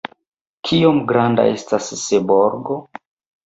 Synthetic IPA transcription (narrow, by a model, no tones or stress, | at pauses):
kʰiomɡɾanda̰e̞stasːeboɾɡo